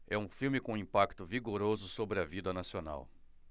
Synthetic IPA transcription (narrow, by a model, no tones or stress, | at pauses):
ɛũfiwmɪkõĩpakt̪ʊviɡoɾozʊsobɾɪɐvid̪ɐnasiona̰w